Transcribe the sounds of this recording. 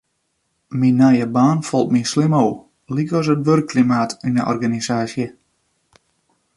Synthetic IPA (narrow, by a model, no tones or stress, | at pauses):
minːajəbaːnfɔlˠtminslɪmow | likɔs̬ətʋørkːlimaːtinəʔɔ̰rɣanisaːsjə